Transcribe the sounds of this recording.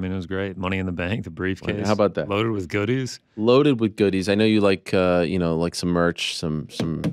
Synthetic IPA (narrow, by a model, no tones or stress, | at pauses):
mɪ̃nwʌzɡɹeɪt̚mʌñiɨ̃nðəbæ̃ŋk̚ðɨbɹifkʰeɪhaʊbaʊt̪̚ðæ̰tloʊɾɨd̚wɨðɡʊɾiz̥ | loʊɾɨd̚wɨðɡʊɾizaɪnoʊjɨlaɪkʰʌjɨ̰noʊlaɪksʌ̃mɜ˞t͡ʃsʌ̃msʌ̃m